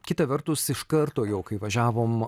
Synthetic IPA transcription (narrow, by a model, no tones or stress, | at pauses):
kʲɪt̪ɐʋʲɛɾt̪ʊsɪʃkɐɾt̪oːjɛʊkɐɪʋɐʒʲæːʋoːm